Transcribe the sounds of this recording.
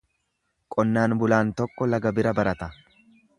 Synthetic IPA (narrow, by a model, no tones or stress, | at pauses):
kʼɔnːaːnbʊlaːnt̪ɔkːɔlɐɡɐbɪɾɐbɐɾɐt̪ɐ